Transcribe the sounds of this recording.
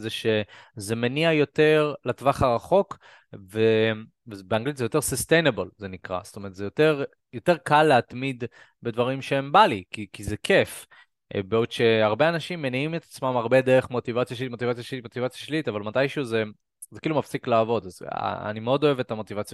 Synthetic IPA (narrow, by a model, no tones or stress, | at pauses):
zeʃezemeniajo̞t̪e̞ʁlet̪vaχaʁaχo̞k | ve | vebeaŋɡlit̪zɛjo̞t̪e̞ʁsust̪ejnabelze̞nikʁa̰st̪ome̞ʁet̪zejo̞t̪e̞ʁ | jo̞t̪e̞ʁkalːeat̪mid̪ | be̞d̪vaʁimʃeembalikikizekʰe̞f | beodʃe̞aʁbeanaʃimːeniimet̪ḁt͡smamaʁbe̞d̪e̞ʁeχmo̞t̪ivat͡sjaʃimo̞t̪ivat͡sjaʃlitmo̞t̪ivat͡sjaʃlit̪avalmat̪ajʃuze | zekiːlumafsiklaːvo̞d̪az̰a̰nimeo̞d̪o̞evet̪amo̞t̪ivat͡sja